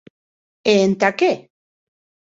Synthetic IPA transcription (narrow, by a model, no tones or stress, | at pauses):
eent̪ake